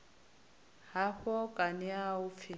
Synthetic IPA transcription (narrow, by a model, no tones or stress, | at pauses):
haɸɔkʼanɪaʊfɪ